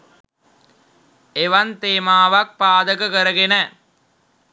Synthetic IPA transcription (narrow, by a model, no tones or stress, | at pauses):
eʋɐnt̪eːmaːʋak̚paːd̪əkəkəɾəɡenə